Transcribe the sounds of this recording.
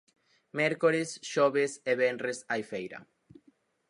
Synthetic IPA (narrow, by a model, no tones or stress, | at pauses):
meɾkoɾesʃoβeseβenrresajfejɾɐ̰